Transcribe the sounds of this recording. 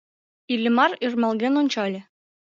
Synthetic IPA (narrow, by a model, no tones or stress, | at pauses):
ilʲːɘ̆mɑɾirmɑlˠɡʲenonʲt͡ɕɑlʲɘ̆